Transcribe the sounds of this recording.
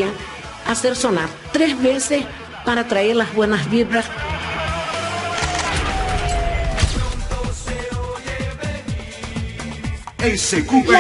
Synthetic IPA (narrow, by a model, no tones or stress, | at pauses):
a | aseɾsonaɾt̪ɾesβeses | paɾat̪ɾaeɾlahbwenasβiβɾas | ejsekup